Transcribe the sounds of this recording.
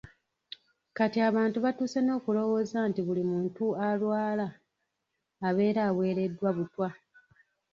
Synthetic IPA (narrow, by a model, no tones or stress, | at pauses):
katiaβaːntuβatuːseno̞ːkulo̞wo̞zantiβulimuːntualwaːla | βe̞ːɾaːwe̞ːɾe̞dːwaβutwa